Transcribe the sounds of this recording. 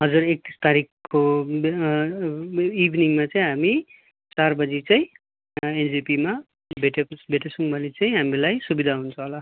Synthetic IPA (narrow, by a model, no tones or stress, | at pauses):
ɦʌd͡zurek̚t̪ist̪aɾikkːo | ibʱniŋmat͡sʌĩɦami | t͡sarbʌd͡zit͡sʌĩ | end͡zipima | bʱeʈebʱeʈesuŋbʌlit͡sʌĩɦamilajsubid̪ʱaɦunt͡sʰʌ̃ɦola